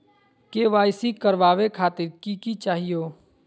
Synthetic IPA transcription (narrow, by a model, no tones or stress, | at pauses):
keʋaːɪsikəɾʋaːʋekʰaːt̪ɪɾkikit͡ʃaːɦijoː